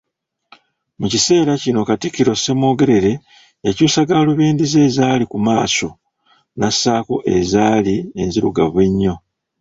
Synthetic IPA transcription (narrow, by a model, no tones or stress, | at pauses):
mucise̞ːɾacino̞katikːiɾo̞se̞mo̞ːɡe̞ɾe̞ɾe̞ | ecuːsaɡaːluβiːndize̞ːzaːlikumaːso̞ | nasaːko̞̰ʔe̞̰zaːlie̞̰nziɾuɡa̰βweɲːo̞